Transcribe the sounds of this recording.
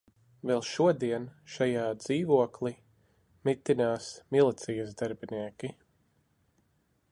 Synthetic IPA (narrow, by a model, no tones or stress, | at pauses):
vɛlˠʃuɔd̪iɛnʃajaːd̪z̥iːvuɔklˠi | mit̪ːinaːsmilˠit̪sijəzd̪aɾbiniːɛkʲi